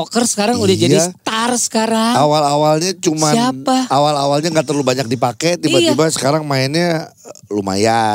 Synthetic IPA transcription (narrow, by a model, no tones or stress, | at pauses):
ɔkərsə̥kaɾaŋulɪhd͡ʒadiast̪arsə̥kaɾaŋawalawalɲat͡ʃumsaapaawalawalɲaŋɡaʔt̪ərlubaɲak̚dipakɛt̪ibat̪ibasə̥kaɾaŋmaɪnɲaluma̰ja